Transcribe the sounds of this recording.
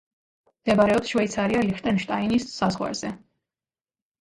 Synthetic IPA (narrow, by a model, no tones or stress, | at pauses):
md̪̥ɛbaɾɛɔsʃwɛit̪sʰaɾialiχt̪ʼɛnʃt̪ʼainisːazʁwa̰ɾzɛ